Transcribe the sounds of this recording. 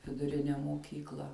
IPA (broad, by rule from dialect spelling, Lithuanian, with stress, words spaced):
ʋʲɪdʊˈrʲɪnʲɛ moːˈkʲiːklˠɐ